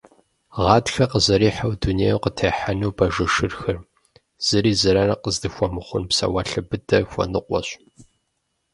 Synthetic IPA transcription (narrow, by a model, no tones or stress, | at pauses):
ʁɑːtxɐqəzɐɾiːħawduneːjqətʰeːħanuwbɐʒɨʃɨrxɐr | z̥ɨɾiːzɐɾɐrɐqəzdɨxʷɔmɨχʷʊnpsɐ̰wɐɬɨbɨdʰɐxʷɔ̰nɨqʷɔ̰ɕ